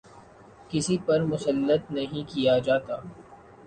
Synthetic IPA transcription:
kɪsipɐɾmʊsəlːət̪nɐɦĩkijad͡ʒaːt̪aː

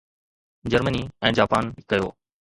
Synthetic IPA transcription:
d͡ʑəɾməniɛ̃ːd͡ʑaːpaːnkɐjo̰ː

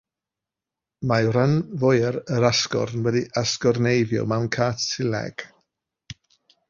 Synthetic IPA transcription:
majɾanvɔjɾəɾaskɔ̰ɾnwɛdiʔaskɔrnejvjɔ̰mawnkʰatsɪlɛ̰ɡ̥

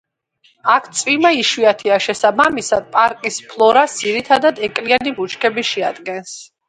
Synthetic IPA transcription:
akʰt̪sʼvimaiʃwiat̪ʰiaʃɛsabamisad̪̥̚pʼaɾkʼispʰlˠɔɾasiɾit̪ʰad̪ad̪ɛkʼlianibut͡ʃʰkʰɛbiʃɛad̪ɡɛns

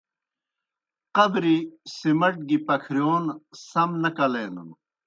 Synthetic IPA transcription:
qɐbɾisimɐʈ̚ɡipɐkʰɾijoːnsɐmnɐkɐleːnɐ̰n

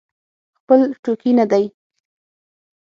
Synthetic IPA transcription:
xpəlʈokinad̪aj

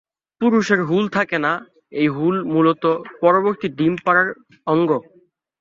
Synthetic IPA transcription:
puɾuʃeɾɦult̪ʰakena | ejɦulmulot̪opɔɾoboɾt̪iɖimpaɾaɾ | ɔŋɡo

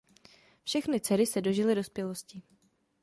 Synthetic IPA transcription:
fʃɛxnɪt͡sɛɾɪsɛdo̞ʒɪlɪdo̞spjɛlo̞scɪ

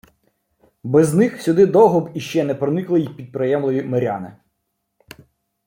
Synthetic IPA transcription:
bɛznɪxsʲʊd̪ɪd̪ɔɦɔbiʃt͡ʃɛnɛpɾɔnɪklˠɪjixpʲid̪̚pɾɪjɛmlˠɪʋʲimɐɾʲɑ̰nɪ̰

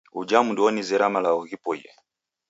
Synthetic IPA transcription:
ud͡ʒamudiɔnizɛɾamalaɔɣipɔjɛ̰

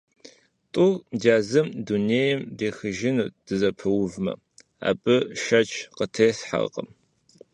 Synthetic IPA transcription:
tʼʊɣdaːzɨmduneːjɪmdeːxɨʒɪnud̥ɨzɐpʰɨwʊvmɐ̰ | a̰ːbɨʃɐt͡ʃʰqətʰeːsħa̰qʼə̰m

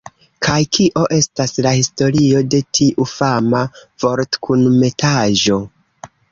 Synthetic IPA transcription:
kʰajkʰiʔo̞ʔe̞staslahisto̞ɾio̞de̞tʰiʔufamavo̞ɾtkʰunme̞tʰaʒo̞

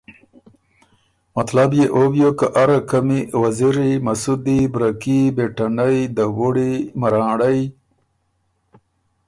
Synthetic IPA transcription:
mat̪labjeʔobjokaʔaɾakamiwaziɾimasud̪ibɾakibeʈanajd̪awuɽimaɾɑ̃ːɽaj

